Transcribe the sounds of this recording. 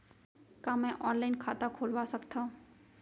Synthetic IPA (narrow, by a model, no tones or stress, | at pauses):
kãːmɛ̃ʔɔːnlaːɪnkʰaːt̪akʰoːlʋasəkt̪ʰã